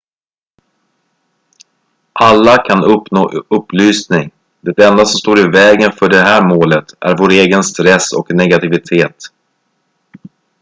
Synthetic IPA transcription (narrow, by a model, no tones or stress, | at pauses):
ʔalːakʰanɵpnoːʔɵpːlyːsnɪŋ | d̪ɛt̪ɛnd̪asɔmst̪oːɾɪvɛːɡənfœɖɛɦæːɾmoːlət̪æ̰ɾvoːɾeːɡənst̪ɾɛsɔ̰knɛɡat̪ɪvɪt̪ʰeːt̪